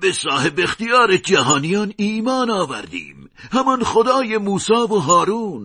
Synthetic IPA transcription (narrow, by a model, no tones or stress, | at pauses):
besɑːhebext̪ijɑːɾed͡ʒæɦɑːnijɑːniːmɑːnɑːvæ̰ɾd̪ḭːm | hæmɑnxod̪ɑːjemuːsɑːvoɦɑːɾuːn